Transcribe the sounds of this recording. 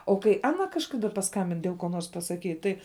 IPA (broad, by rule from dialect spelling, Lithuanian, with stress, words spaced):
oː kɐɪ ˈɑːnɐ kɐʃˈkɑːdɐ pɐˈskɐmʲbʲɪn dʲeːlˠ koː ˈnoːrs pɐsɐˈkʲiːt ˈtɐɪ